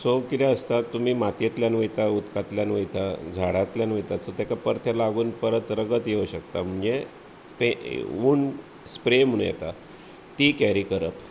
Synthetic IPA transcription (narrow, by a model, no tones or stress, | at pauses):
sokit̪ɛəst̪at̪um̤iːmat̪jet̪ljanʋəjt̪aut̪kat̪ljanʋəjt̪ad͡zʱaɽat̪ljanʋəjt̪asot̪ekapəɾt̪ʰelaɡuːnpəɾət̪ɾəɡət̪jeuɕəkt̪am̤uɳd͡ʑe | pḛuːɳ | spɾemunjɛ̰t̪a | t̪ikɛɾiːkəɾəp